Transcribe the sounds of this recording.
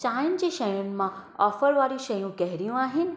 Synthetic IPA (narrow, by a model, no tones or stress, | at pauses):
t͡ʃajnd͡ʑeʃəjũnmãɔfəɾʋaɾĩʃəjũkɛɦɾjũaɦin̆